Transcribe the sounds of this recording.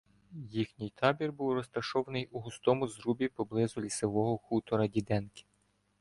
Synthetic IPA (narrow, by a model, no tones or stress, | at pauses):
jixnʲɪjt̪ʰɑbʲirbuwrɔst̪ɐʃɔʋɐnɪjuɦʊst̪ɔmʊzɾubʲipɔblˠɪzʊlʲiseʋɔɦɔxut̪ɔɾɐdʲid̪ɛnkɪ̥